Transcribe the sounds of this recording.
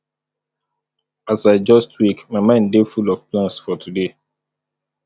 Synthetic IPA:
asaɪd͡ʒɔstwikmaɪmãɪ̃ndefulɔfplãnsfɔtʰude

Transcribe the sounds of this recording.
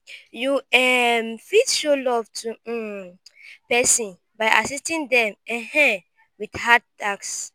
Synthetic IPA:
juɛmfitʃolɔvtʰu | pɛsĩn | baɪʔasistĩndɛ̃mɛ̃hɛ̃ | widhat̚taks

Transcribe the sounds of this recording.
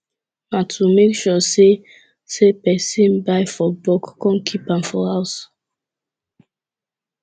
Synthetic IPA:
matʰumekʃɔse | sepɛsĩnbaɪfɔbɔkːɔ̃nkʰipãmfɔhaʊs

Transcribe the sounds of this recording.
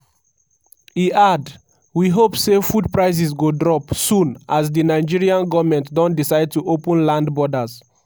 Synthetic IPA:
iʔad | wiɦopsefud̚pɹaɪs̬isɡodɹɔpsũnʔazdinaɪd͡ʒiɹiãnɡɔvmɛ̃ntdɔ̃ntdisaɪd̚tuʔopə̃nlãndbɔdaz

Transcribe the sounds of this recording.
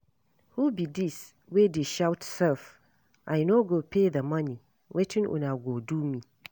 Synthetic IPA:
hubidis | wedeʃawtsɛlf | ʔajnoɡopʰeðəmãni | wʔɛtʰɪ̃nʔʊ̰naɡodumĩ

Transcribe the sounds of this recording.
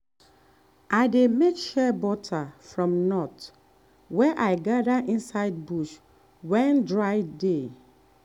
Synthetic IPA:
aɪdemekʃɛbɔtʰafɹɔ̃mnɔt | wɛʔaɪɡadaʔĩnsaɪd̚buʃ | wɛ̃ndɹaɪde

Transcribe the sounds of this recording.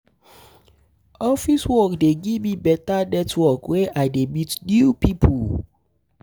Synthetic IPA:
ɔfiswɔkdeɡivmibɛtanɛtwɔkweʔaɪdemitnjupipʰu

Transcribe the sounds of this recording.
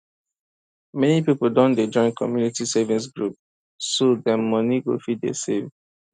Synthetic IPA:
mɛnipipoldɔ̃nded͡ʒɔ̃ɪ̃nkʰɔmjunitisɛvĩs̬ɡɹup̚ | sodəmɔniɡo̰fiddḛsev

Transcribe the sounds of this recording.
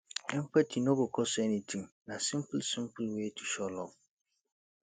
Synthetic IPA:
ɛm̩patʰinõkɔkʰɔsʊɛnĩtʰĩmnãsɪ̃mplsĩmpʰʊlwetʰu̥ɕɔlɔ

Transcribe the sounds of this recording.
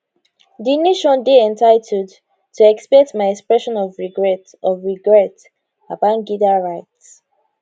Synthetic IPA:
dineʃɔ̃ndeɛ̃ntaɪtʰɛd | tʰːuɛkspɛtmaɪɛkspɹɛʃɔ̃nɔvɹiɡɹɛt | ɔvɹiɡɹɛt | apãnɡidaɹaɪts

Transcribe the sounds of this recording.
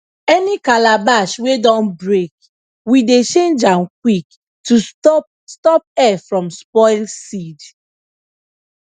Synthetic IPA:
ɛnikalabaʃwedɔ̃nbɹek | widet͡ʃẽnd͡ʒãnkwik̚ | tu | stɔp̚ɛfɹɔ̃mspɔɪlsid

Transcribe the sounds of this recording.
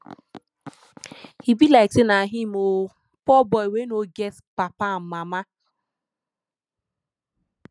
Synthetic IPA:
hibilaɪtɪnaɦimo | pɔbɔiwenoɡɛspapam̩mama

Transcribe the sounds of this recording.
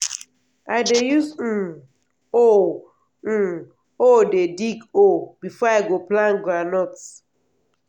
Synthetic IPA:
aɪdejusn̩ | o | n̩ | odedikobifɔaɡoplãnɡɾanɔts

